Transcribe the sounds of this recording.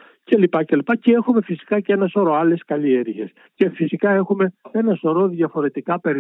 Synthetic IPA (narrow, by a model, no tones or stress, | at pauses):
ce̞lipɐce̞lipɐcee̞xumefisi̥kɐcee̞nɐsoɾoɐle̞skɐlieɾʝe̞̰s | ce̞fisikɐe̞xume̞e̞nɐsoɾo̞ðʝɐfo̞ɾe̞t̪ikɐpe̞ɾ